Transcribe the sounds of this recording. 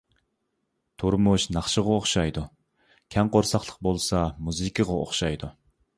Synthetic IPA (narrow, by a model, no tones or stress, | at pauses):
t̪ʰuɾmuʃnɑχʃəʁɑoχʃɑjd̪u | kʲʰɛŋqoɾsɑχlˠəq̚bolˠsɑmuzɨkʲʰəʁɑo̰χʃɑjd̪u